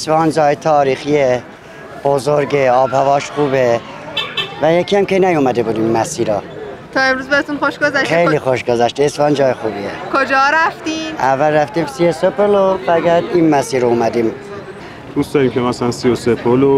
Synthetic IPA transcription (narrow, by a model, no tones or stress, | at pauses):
esfɑːnd͡ʒɒːjet̪ʰɒːɾiːxie | b̥ozoɾɡeɒːbhævɒːʃχuːbe | væjecʰiæmkʲʰenæjumæd̪ebud̪immæsiːɾɑːt̪ʰɒːe̞mɾuzbæɾet̪ʰunxoʃɡozæʃxejlixoʃɡozæʃt̪ːsfɑːnd͡ʒɒːjexuːbiḛkʰod͡ʒɒːɾæft̪imævːælræft̪iːmsiosopʰolobæɡæd̪inmæsiːɾoumæd̪im | d̪̥usd̪ɒːɾimkʰemæsælænsiosepʰolo